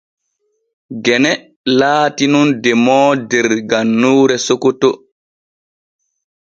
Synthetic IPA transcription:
ɡɛnɛ | laːtinundɛmɔːdɛɾɡanːuːɾɛsokɔto

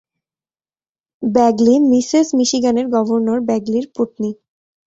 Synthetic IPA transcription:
bɛɡlimisesmiʃiɡaneɾɡɔbʱoɾnoɾbɛɡliɾpoʈni

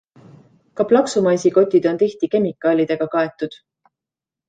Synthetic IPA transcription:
kɑplɑksumɑjsiko̞t̪ʲːˑid̪̥o̞nt̪iht̪ike̞mikːˑɑːlʲid̪̥e̞ɡ̥ɑkɑe̞t̪ːˑud̪̥

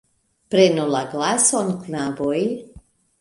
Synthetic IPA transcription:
pɾɛnulaɡlasɔnknavoj

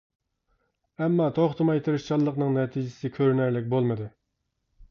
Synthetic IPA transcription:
ɛmːɑt̪ʰoχt̪ʰɨmɑjt̪ʰɨɾɪʃt͡ʃʰɑlˠːəqnɨŋnɛt̪ʰid͡ʒɪsɪkʲʰøɾnæɾlɪk̚ʲbolˠmɨd̪ɨ

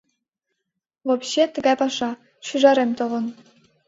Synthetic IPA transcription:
vopɕet̪ə̆ɡɑjpɑʃɑ | ɕyʒɑɾemt̪ovɤ̆n

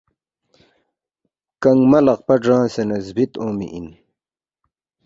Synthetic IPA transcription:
kɐŋmɐlɐqpɐʈ͡ʂãːsenɐzbit̪õːmḭʔḭn

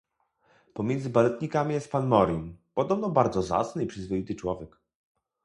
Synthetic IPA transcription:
pɔmʲjɛnd̪zɘbalɛt̪ɲikamʲijɛst̪̚panmɔɾʲinpɔd̪ɔbnɔbaɾd̪zɔza̰t̪snɘipʂɘzvɔjit̪ɘt͡ʂwɔvʲjɛk

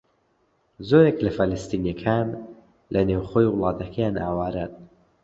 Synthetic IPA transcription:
zoːɾeklɐfɐləst̪iːnjɐkʰan | lɐnewχojwʊlˠɑːt̪ɐkʰɐjaːnʔaːwaːɾan

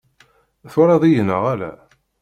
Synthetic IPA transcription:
θʊɾˤɑðˤijənə̰ʁælæ̰

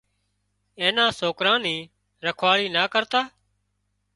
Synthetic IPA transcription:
ẽːnãːsoːkɾãːnĩː | ɾəkʰʋaːɽiːnaːkəɾt̪aː

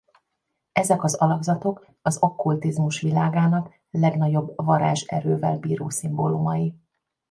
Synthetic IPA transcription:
ɛzɛkɒzɒlɒɡzɒt̪o̞k | ɒzɒkːult̪izmuʃʋilaːɡaːnɒk | lɛɡnɒɟo̞bːvɒɾa̰ːʒɛ̰ɾøːvɛlbiːɾo̰ːsimbolumɒji

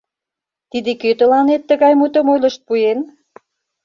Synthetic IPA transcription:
t̪id̪ekøt̪ə̆lɑnet̪ːəɣɑjmut̪ə̆mojlə̆ʃt̪̚pujen

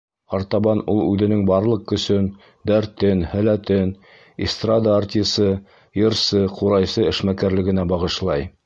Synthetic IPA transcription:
ɑɾt̪ɑβɑnulˠʉðɘ̆nɘŋbɑɾlˠɤq̚kɵ̆sɵn | d̪æɾt̪ɘnhælæt̪ɘn | ist̪rad̪aart̪ʲisɤ | jɤ̆ɾsɤquɾɑjsɤɘ̆ʃmækæɾlɘ̆ɡɘ̆næbɑʁɤ̆ʃlˠɑj

